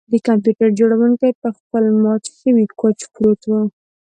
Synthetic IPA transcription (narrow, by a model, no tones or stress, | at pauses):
d̪əkampjuʈaɾd͡ʒoɽawuŋkajpəxpəlmɑt͡ʃxiwikot͡ʃpɽot̪wu